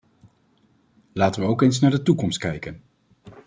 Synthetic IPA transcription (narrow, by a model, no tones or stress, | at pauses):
laːtənʋəowkejns̬naːɹdətukɔmst̚kɛjkən